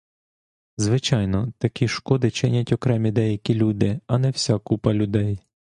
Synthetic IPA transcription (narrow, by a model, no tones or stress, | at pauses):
zʋɪt͡ʃɑjnɔt̪ɐkʲiʃkɔd̪ɪt͡ʃɪnʲɐtʲɔkɾɛmʲid̪ɛjɐkʲilʲud̪ɪɐnɛwsʲakupɐlʲʊd̪ɛj